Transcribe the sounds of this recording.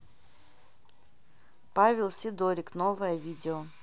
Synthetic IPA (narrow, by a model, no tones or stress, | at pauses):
pavʲɪlˠsʲɪd̪oɾʲɪknovəjəvʲidʲɪo